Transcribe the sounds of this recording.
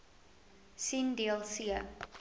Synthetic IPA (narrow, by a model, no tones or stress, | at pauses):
sindiəlˠsiə